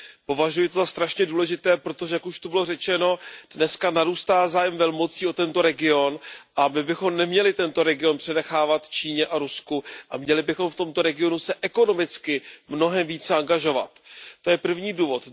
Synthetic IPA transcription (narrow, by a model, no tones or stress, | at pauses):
po̞vaʒujɪt̪ozast̪ɾaʃɲɛduːlɛʒɪt̪ɛːpɾo̞t̪o̞ʒɛjakuʃt̪ubɪlo̞rɛt͡ʃɛno̞d̥nɛskanaɾuːst̪aːzaːjɛmvɛlmo̞t͡siːo̞t̪ɛnt̪o̞ɾɛɡɪo̞nʔamɪbɪxo̞mnɛmɲɛlɪt̪ɛnt̪o̞ɾɛɡɪo̞npr̥ɛnɛxaːvat̪t͡ʃiːɲɛʔaɾuskuʔa̰mɲɛlɪbɪxo̞mft̪o̞mt̪o̞ɾɛɡɪo̞nusɛʔɛko̞no̞mɪt͡skɪmno̞ɦɛmviːt͡sɛaŋɡaʒo̞va̰t̪ːo̞jɛpr̩vɲiːduːvo̞t̪